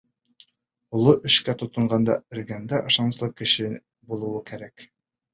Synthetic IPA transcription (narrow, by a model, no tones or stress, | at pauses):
ŏlˠɤʔɵ̆ɕkæt̪ŏt̪ɤ̆ɴɢɑnd̪ɑ̰ɘ̆ɾɡænd̪æʔŏʃɑnɤslˠɤkɘ̆ɕɘ | bulˠuwɤkæɾæk